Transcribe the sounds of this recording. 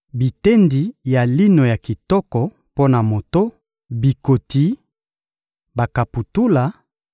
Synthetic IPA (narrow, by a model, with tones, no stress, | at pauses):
bi˨te˦ndi˨ja˨li˦no˨ja˨ki˨tɔ˦kɔ˨ | po˦na˨mo˨to˦ | bi˨ko˨ti˦ | ba˨ka˨pu˨tu˦la˨